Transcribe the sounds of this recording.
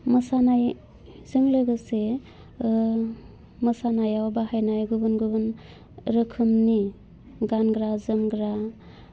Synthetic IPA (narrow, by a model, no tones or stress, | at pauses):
mɯsanaj | z̥ɯŋlɯɡɯse | mɯsanajawbaɦajnajɡubɯnɡubɯn | ɾɯkʰɯmni | ɡanɡɾazɯmɡɾa